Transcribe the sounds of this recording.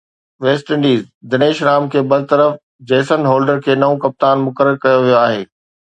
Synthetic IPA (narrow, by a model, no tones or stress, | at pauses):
ʋeːsʈɪ̃ɳɖiːzd̪ɐneːʃɾaːmkʰeːbɐd̪ʱɪt̪əɾəf | d͡ʑɛːsənɦoːlɖəɾkʰeːnɐõkɐp̚t̪aːnmʊkəɾəɾkɐjoʋijoaːɦeː